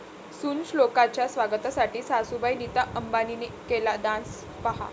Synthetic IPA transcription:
sunslokat͡ɕjasʋaɡət̪asaʈiːsasubajnit̪aʔəmbaninekelad̪ãs | pəɦa̰

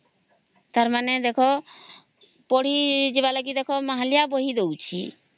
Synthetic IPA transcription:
t̪aɾmanɛd̪ekʰɔ | pɔɽ̤id͡ʒebalaɡid̪ekʰɔmaɦalijabɔɦid̪ewt͡ʃʰi

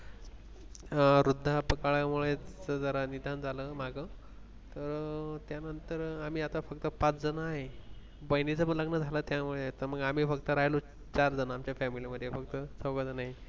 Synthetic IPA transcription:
ɾud̪ʱːapəkaɭjamuɭet͡səd͡zəɾanid̪ʱand͡zʱaləmaɡə | t̪əɾt̪janənt̪əɾam̤iːat̪afək̚t̪əpat͡sd͡zənaɦe | bəjnit͡səpənləɡnəd͡zʱalət̪jamuɭeaɦet̪əɾməɡam̤iːfəkt̪əɾajlo | t͡ɕaɾd͡zənaamt͡ɕjafɛmiliməd̪ʱːjefək̚t̪əsəkad͡zənaɦi

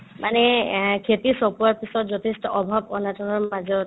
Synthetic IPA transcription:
mʔanɛkʰetisɔpuaɹpisɔtzɔtʰestɔʔɔbʱabɔnatɔɹɔɹmazɔt

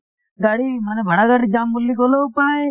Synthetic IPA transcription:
ɡaːɽimanebʱəɽaɡaɽid͡ʒaːmːulːikolopə

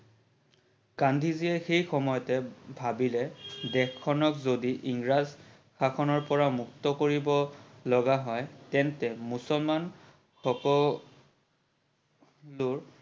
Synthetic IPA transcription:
kandʱiziɛxejxɔmɔjɔtɛbʱabilɛdɛkʰːɔnɔkzodiʔiŋɹaz | kʰakʰɔnɔɹpɔɹamuk̚tɔkoɹibɔlɔɡaɦɔjtɛntɛmusɔlman | xɔkɔ | lʊɹ

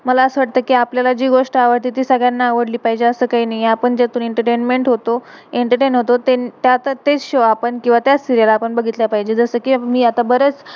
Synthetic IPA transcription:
məlaəsəʋaʈ̚t̪əːkiːapljalad͡ʑiːɡoʂʈəaʋəɽt̪it̪iːsəɡɭjanːaːʋəɽliːpaɦid͡ʑeəsəːkaɦiːnajiapəɳd͡ʑet̪uːneɳʈəɾʈenmeɳʈɦot̪o | eɳʈəɾʈeɳɦot̪ot̪et̪jat̪at̪et͡sɕoapəɳkĩw̃ʋat̪jat͡st̪iɾijalaːpəɳbəɡʱit̪lapaɦid͡ʑed͡zəsəːkiːmiːat̪abəɾət͡s

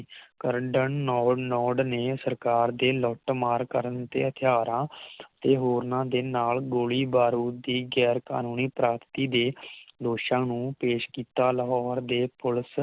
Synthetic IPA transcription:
kəɾɖənːɔːnɔːɖneːsəɾkaːɾd̪eːlɔːʈmaːɾkəɾənt̪ḛːɦət̪ʰjaːɾãːt̪eːɦoːɾnãːd̪eːnaːlɡoːɭiːbaːɾuːd̪iːɡɛːɾka̰ːnuːniːpɾaːt̪t̪iːd̪eːd̪oːʃãːnũːpeːʃkiːt̪aːləɦɔːɾd̪eːpʊls

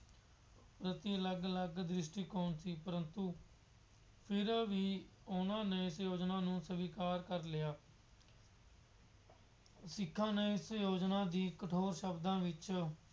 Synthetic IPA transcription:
pɾət̪iːələɡələɡd̪ɾɪʃʈiːkoːnsiːpəɾənt̪uː | pʰɪɾʋiːʊnãːneːɪsjoːd͡ʒnaːnũːsəʋiːkaːɾkəɾlɪjaː | sɪkʰːãːneːɪsjoːd͡ʒnãːd̪iːkəʈʰoːɾʃəbd̪ãːʋɪt͡ʃ

